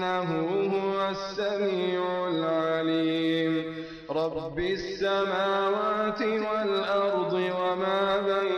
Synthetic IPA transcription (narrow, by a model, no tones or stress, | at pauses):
aɦʊːɦʊwasːamiːʕʕʊlʕaliːm | ɾˤɑbːɪsːamaːwaːt̪ɪwalʔɑɾˤd̪ˤɨwamaːba